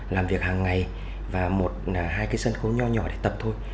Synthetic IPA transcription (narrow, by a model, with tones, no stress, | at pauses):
laː˨˩mvi˨˩ək̚haː˨˩ŋːa˨˩j | vaː˨˩mo˨˩t̚ːɦaː˧jkaː˨˦jsə˧nxo˨˦ɲɔ˧ɲɔ̰˧˩ɗe˧˩t̪ə˨˩p̚t̪ʰo˧j